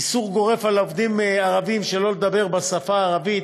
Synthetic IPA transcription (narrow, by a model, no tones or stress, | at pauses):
isuʁɡo̞ʁe̞falovd̪imaʁavimʃe̞lo̞led̪abe̞ʁbasafaːʁavit̪